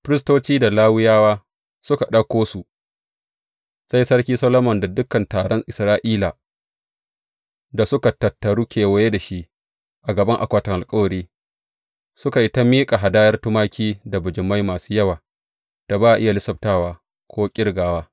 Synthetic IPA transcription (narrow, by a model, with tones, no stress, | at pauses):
ɸɪ˦ɾɪ˦stoː˦t͡ʃiː˦da˨laː˦wɪ˦jaː˦waː˦ | sʊ˦ka˨ɗɐ˦kʷoː˦su˨ | sa˦jsɐ˦ɽkʲiː˦sɐ˦loː˦mɔ˨nda˨dʊ˦kɐ˨ntaː˨ɽɔ˦ŋʔɪ˨sɾaː˦ʔiː˦laː˨ | da˨sʊ˦ka˨tːɐ˨tːɐ˨ɽuː˦kʲeː˨wɐ˦jeː˦da˨ʃi˦ʔ | ʔa˨ɡɐ˨bɐ˦ŋʔa̰˨kʷa˨tɐ˨ŋʔa˨lkʼɐ˦wɐ˨ɾiː˦ | sʊ˦ka˨ʔɪ˦ta˦miː˦kʼa˨ɦa˨daː˦jɐ˦rtʊ˦maː˦kʲiː˦da˨bʊ˨d͡ʒɪ˨mːa˦jmaː˨suː˦jɐ˦waː˨ | d̥a˨baː˦ʔa˨ʔɪ˦ja˨lɪ˦sɐ˨b̚taː˦waː˦ | kʷʰoː˦kʲʼɪ˦ɽɡaː˨waː˦